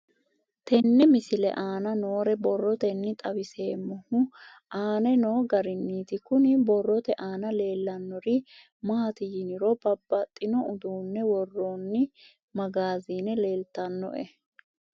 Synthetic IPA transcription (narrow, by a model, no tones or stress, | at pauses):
t̪ɛnːɛmɪsɪlɛ̰ʔaːnɐnoːɾɛbɔrːɔt̪ɛnːɪt̪ʼɐwɪse̞ːmːɔhʊ | ʔaːnɛno̞ːɡɐɾɪnːiːt̪ɪkʊnɪbɔrːɔt̪ɛʔaːnɐle̞ːlːɐnːɔɾɪ | maːt̪ɪjɪnɪɾɔbɐbːɐt̪ʼːɪnɔʊd̪uːnːɛwɔrːoːnːɪ | mɐɡaːziːnɛle̞ːlt̪ɐnːɔ̰ʔɛ̰